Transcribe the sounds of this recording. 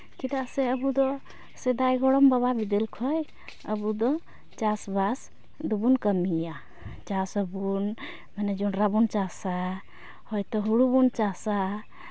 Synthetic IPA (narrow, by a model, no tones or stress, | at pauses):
kid̪aseəbud̪ɔ | sed̪ajɡɔɽɔmbəbabid̪elkʰɔj | əbud̪ɔ | t͡ʃasbas | d̪ubunkəmija | t͡ʃasəbun | mened͡ʒɔnɾabunt͡ʃasa | hɔjt̪ɔɦuɽubunt͡ʃasa